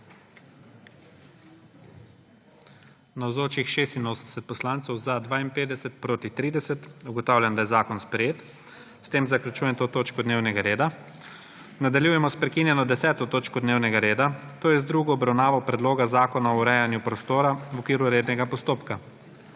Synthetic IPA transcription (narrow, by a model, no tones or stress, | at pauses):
nawzoːt͡ʃixʃeːst̪inoːsənd̪ɛ̥sɛt̪̚pɔslaːnt̪sɔwzad̪ʋaːinpeːd̪ɛsɛt̪̚pɾoːt̪it̪ɾiːd̪ɛsɛt̪uɡɔt̪aːwlʲjand̪ajɛzaːkɔnspɾɛjeːt̪ | st̪eːmzakljut͡ʃuːjɛmt̪oːt̪oːt͡ʃkɔd̪neːwnɛɡaɾeːd̪a | nad̪aljuːjɛmɔspɾɛkinjɛnɔd̪ɛsɛːt̪ɔt̪oːt͡ʃkɔd̪neːwnɛɡaɾeːd̪at̪oːjɛzd̪ɾuɡɔːbɾawnaːʋɔpɾɛd̪loːɡazaːkɔnaɔɾɛjanjupɾɔst̪oːɾawɔkʋiːɾuɾeːd̪nɛɡapɔst̪oːpka